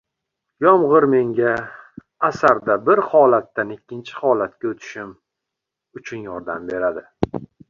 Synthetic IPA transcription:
jɒmʁɨɾme̞ŋɡʲaː | saɾd̪abɪɾhɒlat̪ːanɪkʲʰːɪnt͡ʃʰɪ̥hɒlat̪kʲaɵt̪ʰɪ̥ʃɪm | ʊt͡ʃʰʊnjɒɾd̪ambe̞ɾad̪ɪ

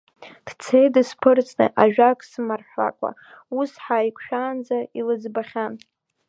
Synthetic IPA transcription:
d̥t͡sʰejdɨspʰɨrt͡sʰʼnɨ̰ʔaʒᶣakʼsɨmarħʷa̰kʷʼa̰ | usħaikʷʰʃᶣaːnd͡zailɨd͡zbaχʲan

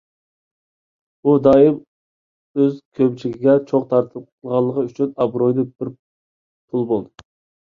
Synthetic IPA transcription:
ud̪ɑjim | øzkʲʰøbt͡ʃʰiɡʲiɡʲɛt͡ʃʰoqt̪ʰɑɾt̪ʰ | lˠʁɑlˠːəqɑyt͡ʃʰynɑbɾojd̪ɨbɪɾ | pʰulˠbolˠd̪ɨ

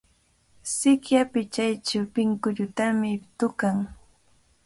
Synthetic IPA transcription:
sɪkjapɪt͡ʃajt͡ʃawpɪŋkʊʎʊt̪amɪt̪ʊkaŋ

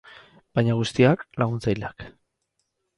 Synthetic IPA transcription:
b̥ajɲaɣ̞ust̪iaklaɣunt͡sajlak

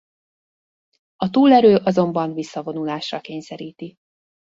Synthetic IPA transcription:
ɒt̪uːlɛɾøːʔɒzo̞mbɒnvisːɒvo̞nulaːʃrɒkeːɲsɛɾiːt̪i

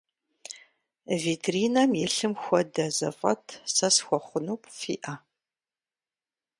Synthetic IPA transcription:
viːtʰriːnɐmjɛɬɨmxʷɔdɐzɐ̰fʼɐ̰tʰsɐsxʷɔχʷʊnuːpʰfḭːʔɐa

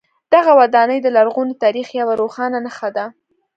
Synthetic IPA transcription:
d̪̥aɣawad̪ɑnəjd̪əlaɾɣunit̪ɑɾixjawaɾoxɑnanaxad̪a

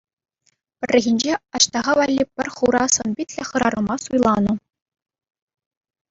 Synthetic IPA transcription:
pʲɘ̆rʲːɘ̆ɣʲinʲd͡ʑeɑɕt̪ɑʁɑʋɑlʲːipʲɘ̆rʲχuɾɑsɤ̆nbʲitʲlʲĕχɤ̆ɾɑrɤ̆mɑsujlˠɑnɤ̆

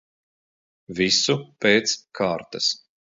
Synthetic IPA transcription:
visupeːt̪skʰaːɾt̪ɐs

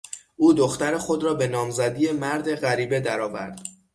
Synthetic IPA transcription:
ʔuːd̪oxt̪æɾexo̞d̪ɾɒːbe̞nɒːmzæd̪ijemæɾd̪e̞ɣæɾiːbe̞d̪æɾɒːvæ̰ɾd̪̥

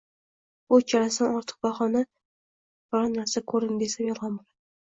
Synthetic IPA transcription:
ʊt͡ʃʰaɾasanɒɾt̪ʰɨ̥q̚bɒχɒna | bɾɑnːaɾsakʰɵɾɪnd̪esamjɒlˠʁɑnbolad̪

